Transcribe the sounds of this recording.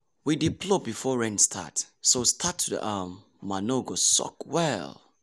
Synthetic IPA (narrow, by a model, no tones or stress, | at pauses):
widipʰlɔbifɔɹɛ̃nstʰa̰tsostʰatʰːudə̰ʔamː | anoɡosɔ̰kwɛl